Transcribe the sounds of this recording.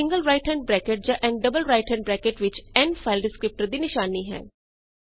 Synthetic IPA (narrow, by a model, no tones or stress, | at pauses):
ɪ̃ŋɡəlɾaːɪʈɛ̃ɳ̚bɾɛːkeʈ̚d͡ʒãːʔɛ̃ːɳɖɖəbəlɾaːɪʈɛ̃ɳɖbɾɛːkeʈʋɪt͡ʃɛ̃ːnfʰaɪlɖɪskɾɪp̚ʈəɾd̪inɪʃaːniɦɛ̰ː